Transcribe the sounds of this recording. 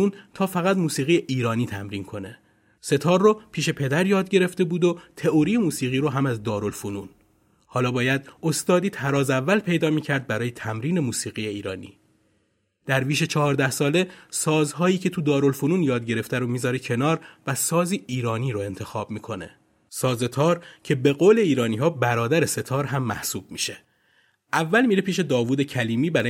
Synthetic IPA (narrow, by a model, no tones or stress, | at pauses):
uːnt̪ʰɒːfæɣæt̪muːsiːɣiːjeʔiːɾɒːniːt̪ʰæmɾiːnkʰo̞ne̞ | se̞t̪ʰɒːɾːopʰiːʃe̞pʰe̞d̪æɾjɒːd̪ɟe̞ɾe̞ft̪e̞buːd̪ot̪ʰe̞oɾijemuːsiːɣiːɾoɦæmæzd̪ɒːɾo̞lfunuːn | hɒːlɒːbɒːjæd̪ost̪ɒːd̪iːt̪ʰæɾɒːzævːælpʰe̞jd̪ɒːmiːcʰæɾd̪̚bæɾɒːjet̪ʰæmɾiːne̞muːsiːɣijeiːɾɒːnḭː | d̪̥æɾviːʃet͡ʃʰɒɦɒːɾd̪æhsɒːle̞sɒːzɦɒːjiːcʰe̞t̪ʰud̪ɒːɾo̞lfunuːnjɒːd̪̚ɟeɾe̞ft̪æɾomiːzɒːɾecʰe̞nɒːɾvæsɒːziːʔiːɾɒːniːɾoe̞nt̪ʰe̞xɒːbmiːkʰo̞ne̞̰ | sɒːze̞t̪ʰɒːɾcʰe̞be̞ɣoːle̞iːɾɒːniːɦɒːbæɾɒːd̪æɾese̞t̪ʰɒːɾɦæmːæhsuːb̥mḭːʃe | ʔævːælmiːɾepʰiːʃe̞d̪ɒːvuːd̪e̞cʰæliːmiːbæɾː